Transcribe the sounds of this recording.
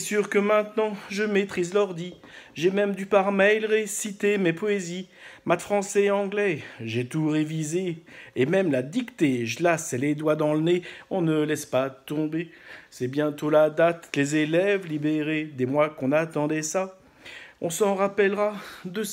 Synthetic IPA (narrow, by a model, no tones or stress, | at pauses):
syʁkəmɛ̃t̪nɑ̃ʒəmet̪χizlœʁd̪i | ʒɛmɛmd̪ypaʁmɛjlʁesit̪emepɔezi | mat̪fχɑ̃sɛɑ̃ɡlɛʒɛt̪uʁevizeːmɛmlad̪ikt̪eʒəlasɛled̪wad̪ɑ̃ləneɔ̃nəlɛspat̪ɔ̃besɛbjɛ̃t̪olad̪at̪lezelɛvlibeʁed̪ɛmwakɔ̃nat̪ɑ̃d̪ɛsa | ɔ̃sɑ̃ʁapɛlʁad̪ə